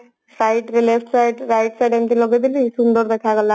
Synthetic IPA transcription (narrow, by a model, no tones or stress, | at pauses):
sajʈɾelefʈsajɖɾajʈsajɖɛnt̪ilɔɡed̪iliʃund̪ɔɾd̪ɛkʰaɡɔla